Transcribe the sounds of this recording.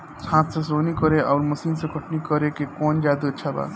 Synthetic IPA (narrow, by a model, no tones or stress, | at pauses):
sʰãːt̪sesoːnikɔɾeʔɔːɾmɐsiːnsekʰəʈnikɔɾekekɔːnd͡ʒaːd̪uətːʃʰaba̰ːt̪